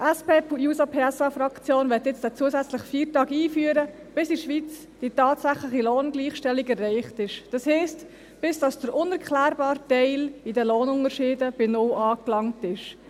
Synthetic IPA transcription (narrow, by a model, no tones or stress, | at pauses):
ɛspeːpujuːsapʰeɛsɑfɾɑkt͡sjoːnʋɛtjɪt͡stæt͡suəsæt͡slɪχfiːɾtɑːɡiːfyːəɾə | b̥ɪsiʃʋit͡s | d̥itɑːtsæχlɪχiloːnɡliːχʃtɛliɡɛrːɛɪχtɪʃd̥ɑshɛɪst | b̥ɪsd̥ɑsd̥əɾʔʊnɛɾkʰχlæːɾbɑːɾtɛɪlidəloːnʊŋəɾʃɪːdəb̥ɪnʊlɑːklɑŋtɪʃ